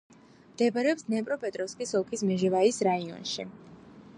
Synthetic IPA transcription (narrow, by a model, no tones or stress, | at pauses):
md̪̥ɛbaɾɛɔpsnɛpʼɾɔpʼɛt̪ʼɾɔfskʼisɔlˠkʰismɛʒɛvaisɾaiɔ̰nʃḭ